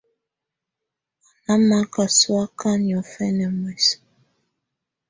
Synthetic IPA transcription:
a˨na˦ma˦ka˨swa˦ka˦ni˨ɔ˨fɛ˦nɛ˨mwɛ˨s

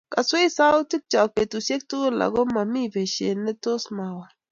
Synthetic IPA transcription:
ka˨swe˦i˦sa˦u˦ti˦k̚t͡ʃa˨k̚pe˨tu˨se˦k̚tu˦la̰˨ɡo˦ma˨mi˦ve˨ʃḛ˨ne˦to˦sma˨wa˨

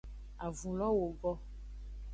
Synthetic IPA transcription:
a˨vũ˨lɔ˦wo˨ɡɔ˦

